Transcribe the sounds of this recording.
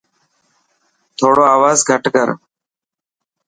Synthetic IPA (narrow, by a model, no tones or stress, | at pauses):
t̪ʰoːɽoːaːʋaːzɡʱəʈkəɾ